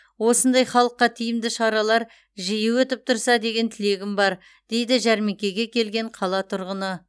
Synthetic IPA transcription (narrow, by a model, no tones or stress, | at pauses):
wo̞sənd̪ɑjχɑlˠəqːɑt̪ʰijɪmd̪ɪʃɑɾɑlˠɑɾ | ʒijɪwɵt̪ɪp̚t̪ʰʊɾsɑd̪e̞ɡʲe̞nt̪ʰɪle̞ɡʲɪmbɑɾ | d̪̥e̞jd̪ɪʒæɾme̞kʲe̞ɡʲe̞kʲʰe̞lɡʲe̞ɴqʰɑlˠɑt̪ʰʊɾʁənə